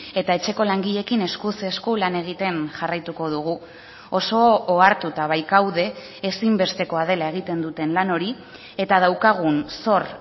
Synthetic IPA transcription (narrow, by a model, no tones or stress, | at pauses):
e̞t̪ae̞t͡ʃe̞ko̞laŋɡiʎe̞kine̞skuseskulane̞ɣit̪e̞nʝarajt̪uko̞ð̞uɣ̞u | o̞so̞ːaɾt̪ut̪aβ̞ajkawðe̞ː | simbe̞st̪e̞ko̞að̞e̞lae̞ɣ̞it̪e̞nd̪ut̪e̞nlano̞ɾi | e̞t̪aðawkaɣ̞unso̞ɾ